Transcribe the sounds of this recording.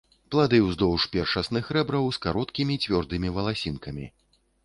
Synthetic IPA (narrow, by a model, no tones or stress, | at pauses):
plˠad̪ɨwzd̪ɔwʂpʲɛrʂɐsnɨxɾɛbɾɐwskaɾɔt̪kʲimʲit͡sʲvʲɔrd̪ɨmʲivɐlˠasʲinkɐmʲḭ